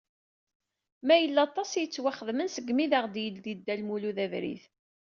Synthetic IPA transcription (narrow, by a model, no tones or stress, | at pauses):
mæjəlːɑt̪ˤːɑsjət͡sːwaχəðmənsəɡmiðəʁd̪jəld̪id̪ːælmuluðævɾḭθ